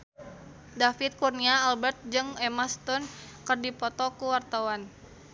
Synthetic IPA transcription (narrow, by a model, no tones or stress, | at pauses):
dafit̪̚kurniaːlbɛrt̪̚d͡ʒɨŋɛmast̪ɔnkərdipɔt̪ɔkuwart̪awan